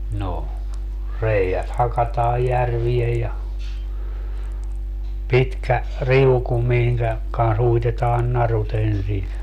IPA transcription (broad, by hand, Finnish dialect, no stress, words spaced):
no reiæt hɑkɑtɑːj jærʋiej jɑ pitkæ riuku miŋkæ kɑns uitetɑːn nɑrut ensin